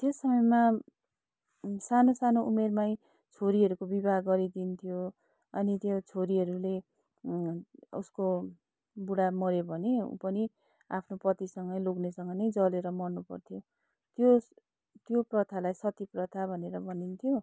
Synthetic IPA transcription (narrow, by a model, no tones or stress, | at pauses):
t̪josʌmʌjma | sanosanoʔumermaj̃ | t͡sʰoɾiɦʌɾukobibʱaɡɡʌɾid̪int̪ʰijo | ʌ̰nit̪jot͡sʰoɾiɦʌɾule | ṵsko | buɽamʌɾobʱʌneṵpʌni | a̰pʰnopʌt̪isʌŋɡʌjloknesʌŋɡʌnʌjd͡zʌleɾʌmʌrnupʌ̰rt̪ʰijo | t̪jo | t̪joprʌt̪ʰalajsʌt̪iprʌt̪ʰabʱʌneɾʌbʱʌnint̪ʰijo